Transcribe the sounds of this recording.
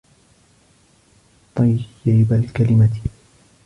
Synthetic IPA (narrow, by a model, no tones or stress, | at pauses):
t̪ˤɑjjajbalkalɪmat̪